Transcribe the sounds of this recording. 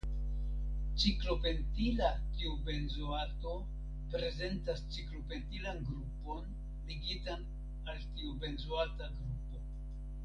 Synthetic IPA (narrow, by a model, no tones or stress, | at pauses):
t͡ʃiklo̞pe̞ntilatiube̞nzoato̞ | pɾe̞ze̞ntast͡ʃiklo̞pe̞ntilanɡɾupo̞n | liɡitan | altiube̞nzoataɡɾupo̞